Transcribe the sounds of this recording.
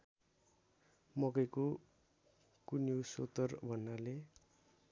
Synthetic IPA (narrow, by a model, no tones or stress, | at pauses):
mʌkʌjko | kunjoso̰t̪ʌrbʱʌnːale